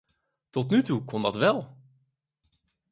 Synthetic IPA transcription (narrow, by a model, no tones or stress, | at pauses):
t̪ʰɔt̪nʉt̪ukʰɔnd̪ɑt̪ʋɛlˠ